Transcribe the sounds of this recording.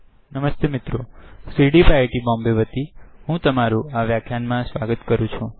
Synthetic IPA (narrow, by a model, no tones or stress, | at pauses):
nəməst̪emɪt̪ɾosiɽipaʈibɔ̃mbeʋət̪iɦũt̪əmaɾũaʋjakʰjanmãsʋaɡət̪kəɾũt͡ʃʰũ